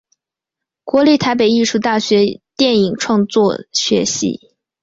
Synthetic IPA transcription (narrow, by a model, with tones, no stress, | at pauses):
kwɔ˧˥li˥˩t̪ʰa˧˥ɪpe˨˩ɪi˥˧ʂu˥˧t̪a˥˩ɕɥɛ˧˥t̪jɛ˥˩ni˨˩ŋʈ͡ʂʰwɑ˥˧ŋt͡swɔ˥˩ɕɥɛ̰˧˥ɕḭ˧˥